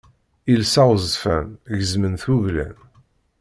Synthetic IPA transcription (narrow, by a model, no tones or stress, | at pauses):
ilsɑwzfæmʝəzmənθuʝlæ̰m